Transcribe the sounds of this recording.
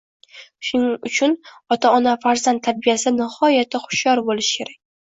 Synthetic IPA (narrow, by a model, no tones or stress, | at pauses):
ʃʊnɪŋʊt͡ʃʰʊnɒt̪ʰaɒnafaɾzant̪ʰːabijasɪnɪhɒjat̪ʰɪχʊ̥ʃjɒɾbolɪʃkʲʰe̞ɾak̚ʲ